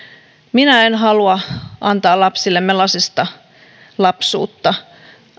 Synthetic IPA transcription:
minæenɦɑluɑʔɑnt̪ɑːlɑpsilːemːelɑsist̪ɑ | lɑpsṵːt̪ːɑ

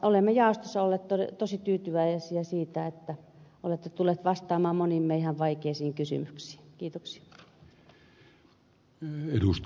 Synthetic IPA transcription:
olemːejɑˑost̪osːɑolːeːˑt̪t̪oḛt̪osit̪yːt̪yʋæiesiæsiːt̪æet̪ːæ | olet̪ːet̪ulːˑet̪ʋɑst̪ɑːmɑːmonimːeihæʋʋɑikeisiːŋkysy̰myksi̥ːkiːt̪oksi̥ɑ | edust̪

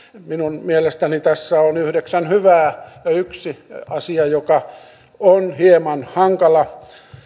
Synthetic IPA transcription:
minunmielest̪ænit̪æsːæonyhdeksænhyʋæːjɑyksiɑsiɑjokɑ | onhiemɑnhɑŋkɑlɑ

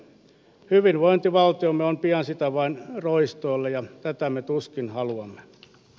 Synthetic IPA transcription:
hyʋinʋoint̪iʋɑlt̪iomːeompiɑnsit̪æʋɑinroist̪oilːejɑt̪æt̪æmet̪uskinhɑluɑmːe

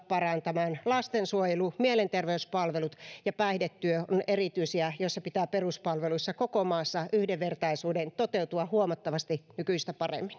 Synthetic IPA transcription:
pɑrɑnt̪ɑmɑːnlɑst̪ensuojelumielent̪erʋeyspɑlʋelut̪jɑpæihdet̪ːyøonerit̪yisiæjoisːɑpit̪æːperuspɑlʋeluisːɑkokomɑːsːɑyhdeʋʋert̪ɑisuːdent̪ot̪eut̪uɑhuomɑt̪ːɑʋɑst̪inykyist̪æpɑrḛmːin

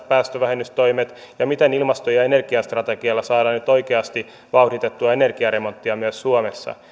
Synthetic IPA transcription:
pæːst̪øʋæhemyst̪o̞jmet̪ | jɑmit̪enilmɑst̪ojɑene̞rɡ̥iɑst̪rɑt̪eɡiɑlːɑsɑːdɑnyt̪o̞jkeɑst̪i | ʋɑutit̪et̪ːuɑenerɡiɑɾemo̞nt̪ːiɑmyøssuomesːɑ̰

